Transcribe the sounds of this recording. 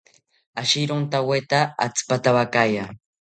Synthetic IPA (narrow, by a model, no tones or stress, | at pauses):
aʃiɾont̪awet̪aa̰t͡spat̪aβakaja